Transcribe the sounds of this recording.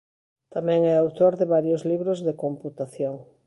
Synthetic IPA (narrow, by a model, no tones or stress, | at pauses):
t̪amɛ̃ŋɛawt̪oɾðɪβaɾjozliβɾozðɪkomput̪aθjoŋ